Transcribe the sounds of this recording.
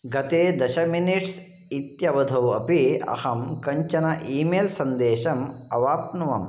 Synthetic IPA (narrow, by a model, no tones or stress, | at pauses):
ɡɐt̪eːd̪ɐʃɐminiʈs | it̪jɐʋɐd̪ʱɐwɐ̰piɐ̰hɐmkɐɲt͡ʃɐnɐʔiːmeːlsɐnd̪eːʃɐmɐʋaːp̚nuʋɐm